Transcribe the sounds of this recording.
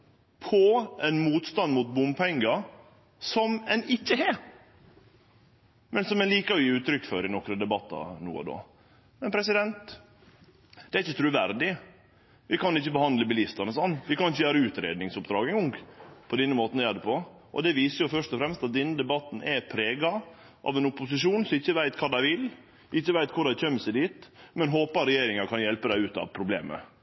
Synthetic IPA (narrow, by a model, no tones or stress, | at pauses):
pʰɔɛnmuːt̪st̪ɑnmut̪̚bʊmpʰɛŋɡɑ | sɔmɛnɪçːəɦɛ | mɛnsɔmɛnliːkəɾɔjiːʉːt̪ɾʏkːføːɾɪnɔkɾəd̪ɛbɑt̪ːɑ̰nṵːə̰d̪o̰ː | mɛnpʰɾɛs̬ɪd̪ɛnt̪ | d̪̥ɛæɾɪçət̪ʰɾʉːʋæɾd̪ɪ | ʋɪkʰɑnɪçːəbəhɑnd̪ləbəlɪst̪ɑnəsɑnːʋɪkɑnɪçːəjøːɾəʉːt̪ɾḛːd̪nɪŋsʊpd̪ɾɑːɡəŋʊŋɡpʰɔd̪ɛnːəmoːt̪njæːd̪əpʰɔ | ʔɔ̰d̪ɛʋiːsəjʊfœʂt̪ɔfɾɛmst̪ɑt̪̚d̪ɛnːəd̪ɛbɑt̪ːn̩ʔɛpʰɾeːɡɑ | ʔɑ̰ʋɛnʊpʊsɪʂuːnsɔmɪçːəʋæɪt̪kʰɑːd̪æɪʋɪl | ʋɪɪçːəʋæɪt̪kʰʊɖ̪æɪçœmːəsæɪd̪iːt̪mɛnɦoːpɑɾɛjeːɾɪŋɑɾkʰɑnjɛlpəd̪æɪʉːt̪ɑ̰ʋpʰɾʊblḛːmə̰